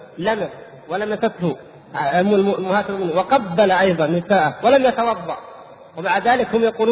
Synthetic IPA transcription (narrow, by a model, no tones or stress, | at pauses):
lamas | walamasat̪hʊ | lmʊhaːsɪɾumɪnːwɪqɑbːalaʔɑjðˤɑnːɪsaːʔawalamjat̪awɑðˤːɑʔ | wɪmaʕd̪ðaːlɪkhʊmjɑquːluː